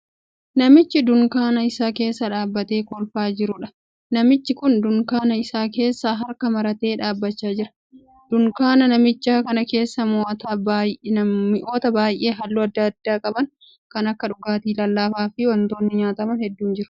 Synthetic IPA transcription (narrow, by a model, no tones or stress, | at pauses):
nɐmɪt͡ʃːɪd̪ʊŋkaːnɐɪsaːke̞ːsːɐᶑaːbːɐt̪e̞ːkɔlfaːd͡ʒɪɾʊᶑɐ | nɐmɪt͡ʃːɪkʊnd̪ʊŋkaːnɐɪsaːke̞ːsːaːɦɐɾkɐmɐɾɐt̪e̞ːᶑaːbːɐt͡ʃːaːd͡ʒɪɾɐ̥ | d̪̥ʊŋkaːnɐnɐmɪt͡ʃːaːkɐnɐke̞ːsːɐmoːʔɐt̪abnɐmːɪʔo̞ːt̪ɐbaːjʔe̞ːɦɐlːuːɐd̪ːɐɐd̪ːaːkʼɐbɐŋ | kɐnɐkːɐᶑʊɡaːt̪iːlɐlːaːfaːfɪwɐnt̪oːnːɪɲaːt̪ɐmɐnhɛd̪ːuːnd͡ʒɪɾʊ